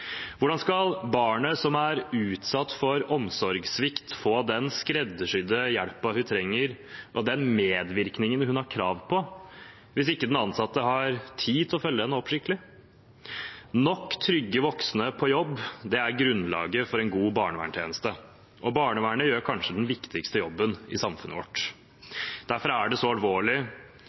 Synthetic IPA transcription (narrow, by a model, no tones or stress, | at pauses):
ʋʊɖɑnskɑlbɑːɳəsɔmæɾʉːt̪sɑt̪ːfɔɾɔmsɔɾɡsʋɪkt̪foːd̪ɛnskɾɛd̪ːəʂʏd̪əjæɽpɑhʉt̪ʰɾɛŋːəɾ | ʔɔd̪ɛnmeːd̪ʋɪɾknɪŋənhʉnhɑɾkʰɾɑːʋpʰɔ | ʋɪsɪkːəd̪ɛnɑnsɑt̪ːəɦɑɾt̪ʰiːt̪ʰlɔfœlːəd̪ɛnɔːpʂɪkt̪lɪ | nɔkːt̪ʰɾʏɡːəʋɔksnəpʰɔjɔbːd̪ɛæɾɡɾʉnlɑ̰ːɡəfɔɾɛnɡuːbɑːɳəʋæ̰ːɳʈ̪ʰjḛːnəst̪ə | ʔɔbɑːɳəʋæːɳəjøːɾkʰɑnʂəd̪ɛnʋɪkt̪ʰɪkst̪əjɔbːənɪsɑmfʉ̰nə̰ʋɔ̰ʈː | d̪̥æɾfɔɾɑæɖɛsɔɑlʋoːɭɪ